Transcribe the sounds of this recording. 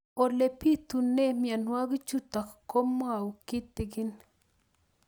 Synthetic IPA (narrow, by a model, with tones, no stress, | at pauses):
o˨le˨pi˦t̪u˨nːe˦mja˨nwa˦ɡi˦t͡ʃu˦t̪a˨kko˦m˦a˨wu˨kɪ˦t̪ːɪ˨ɡɪ˦n